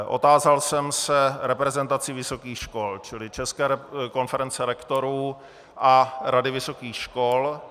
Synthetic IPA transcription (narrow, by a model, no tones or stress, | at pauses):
ʔo̞̰t̪aːzalsɛmsɛɾɛpɾɛzɛnt̪at͡sɪvɪso̞kiːxʃko̞lt͡ʃɪlɪt͡ʃɛskɛːɾɛko̞nfɛɾɛnt͡sɛlɛkt̪o̞ɾuː | ʔaɾadɪvɪso̞kiːxʃkol